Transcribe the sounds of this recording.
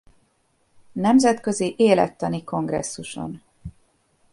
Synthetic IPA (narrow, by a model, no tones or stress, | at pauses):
nɛmzɛt̪kø̞ziʔeːlɛ̰t̪ːɒniko̞ŋɡrɛ̰sːuʃo̞̰n